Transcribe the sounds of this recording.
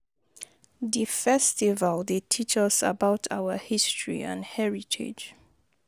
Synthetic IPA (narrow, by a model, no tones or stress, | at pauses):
ðifɛstivəlˠdetʰit͡ʃʌsə̰baʊtʰa̰wəhistʰɹḭã̰nhɛɹitʰɪ̰d͡ʒ